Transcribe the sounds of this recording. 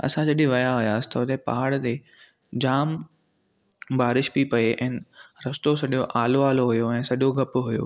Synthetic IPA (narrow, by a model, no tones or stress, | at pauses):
ɐ̰sãd͡ʑɐɗɪʋɐjaɦʊjaːsɪ̥t̪ɐʊt̪epa̰ɦəɽt̪e | d͡ʑaːm | baːɾɪʃbipɐeʔɛ̃ːnɾɐst̪osɐɗioʔaːloaːloɦʊjoɛ̃ːsɐɗɪjoɡʱɐpɦʊjo̰ː